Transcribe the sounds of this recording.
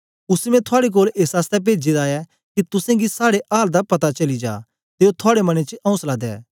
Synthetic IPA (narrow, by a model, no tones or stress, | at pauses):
ʊsmɛ̃t̪ʰoaːɽek̬oːleːsaːst̪ɛp̬eːd͡ʒed̪aːjɛ | kit̪ʊsãɡisaːɽeʔaːld̪apɐt̪at͡ʃɐlid͡ʒa̰ː | t̪eːot̪ʰʊaːɽemɐñet͡ʃɐ̃ʊ̃nslaːd̪ɛ̰ː